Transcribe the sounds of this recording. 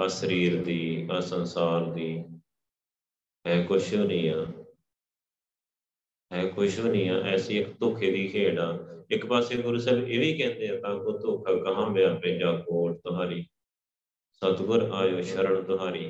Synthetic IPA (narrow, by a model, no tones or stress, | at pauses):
əsəɾiːɾd̪iːəsənsaːɾd̪iː | ɛ̃ːkʊʃɦoːniːaː | ɦɛːkʰʊʃɦoːniːaːʔɛːsiːɪkt̪oːkʰeːd̪iːkʰeːɽaːɪkpaːseːɡʊɾuːsɛːlbeːʋiːkɛ̃ːnd̪eːãːt̪ãːkoːt̪oːkʰaːkəɦãːbɪjaːpɪ̃ːd͡ʒaːkoːʈt̪ʊɦaːɾiː | sət̪ɡʊɾaːjoːʃəɾəɳt̪ʊɦaːɾiː